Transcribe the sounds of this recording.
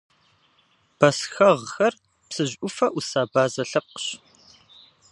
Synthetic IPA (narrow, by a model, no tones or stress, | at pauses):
b̥ɐsxɐʁxɐr | psɨʑʷʔʷʊfɐʔusaːbaːzɐɬɐp̚qɕ